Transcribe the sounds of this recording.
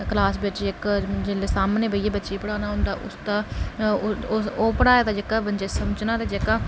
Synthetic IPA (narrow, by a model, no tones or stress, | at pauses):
klaːsbɪt͡ʃɪkd͡ʒeleːsaːmnẽːbəiːeːbətːʃiːpəɽaːnaːɦʊ̃nd̪aːʔʊ̰st̪ãː | oːpəɽaːeːt̪aːd͡ʒekaːbənd͡ʒeːsəməd͡ʒnaːt̪eːd͡ʒekaː